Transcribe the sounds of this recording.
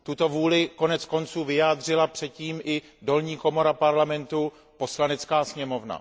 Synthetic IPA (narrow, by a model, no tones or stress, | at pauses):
t̪ut̪o̞vuːlɪko̞nɛt͡sko̞nt͡suːvɪjaːd̪r̝ɪlapr̝̥ɛt̪̚ciːmʔɪ | do̞lɲiːko̞mo̞ɾapaɾlamɛnt̪u | po̞slanɛt͡skaːsɲɛmo̞vna̰